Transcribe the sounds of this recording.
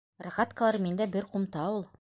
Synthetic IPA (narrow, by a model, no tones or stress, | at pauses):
raʁɑt̪kəlˠɑɾmind̪æbɘɾqumt̪ɑulˠ